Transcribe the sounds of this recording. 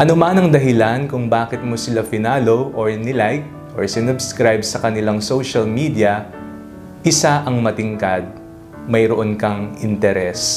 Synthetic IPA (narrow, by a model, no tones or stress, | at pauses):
ʔɐnomanɐŋd̪ɐɦɪlankʊŋbaːkɪt̪̚mosɪlafɪnaːlowʔoɹnɪlajk̚ | ʔo̰ɹsɪnʊbskɾajbsɐkɐnɪlaŋsowʃɐlmid̪iɐ | ʔɪsaʔɐŋmɐt̪ɪŋkad̪̚ | mɐjɾoʔonkɐŋʔɪnt̪ɛɾɛs